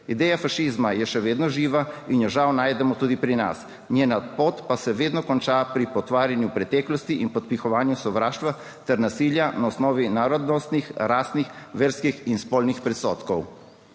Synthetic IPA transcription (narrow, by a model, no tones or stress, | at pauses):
id̪ɛːjafaʃiːzmajɛʃɛʋeːd̪nɔʒiːʋainjɛʒawnaːjd̪ɛmɔt̪uːd̪ipɾina̰s | njeːnapoːt̪pasɛʋeːd̪nɔkɔnt͡ʃaːpɾipɔt̪ʋaːɾjanjupɾɛt̪ɛːklɔst̪iʔinpɔt̪̚pixɔʋaːnjusɔʋɾaːʃt̪ʋa | t̪ɛɾnasiːljanaɔsnɔːʋinaːɾɔd̪nɔst̪nixɾaːst̪nixʋɛɾskixinspoːlnixpɾɛsɔːt̪kɔw